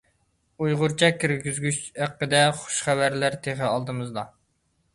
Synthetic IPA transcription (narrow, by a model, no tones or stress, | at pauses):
ujʁʊɾt͡ʃʰɛkʲʰːiɾɡʲyzɡʲyt͡ʃhæqːəd̪ɛχʊ̥ʃχæwæɾlæɾt̪ʰeχɪɑlˠd̪ɨmɨzd̪ɑ